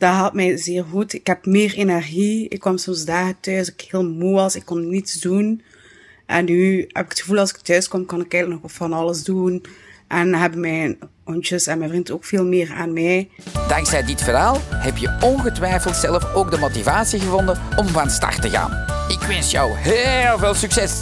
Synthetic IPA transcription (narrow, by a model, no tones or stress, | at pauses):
d̥aɦɑlˠtmɛjzɪːrɣutɪkɦɛpmɪːrenɛrɣiɪ̰kːɔmsɔmsdaːɣətœːsɪkhɪːlˠmuɑsɪkːɔnnitsdun | ʔɛ̰nːyɦɛ̰bɪ̥kətxəvuːlˠɑlˠsɪ̥k̚tœɥskɔmkɑnɪkɛɣələknɔxfɑnɑləzdunʔɛnɦɛbəmɛn | ɔnt͡ʃəsɛnmɛvrintoːkfeːlˠmɪːra̰ːnmɛjd̥ɑŋksɛjdɪtfərɦaːlˠhɛpjəɔnɣətʋɛjfəlˠtsɛlˠəfoːɡ̚dəmotivaːsiɣəvɔndənɔmvanstɑ̰rtəɣa̰ːn | ɪkʋɪnsjɔwɦelˠveːlˠsyksɛs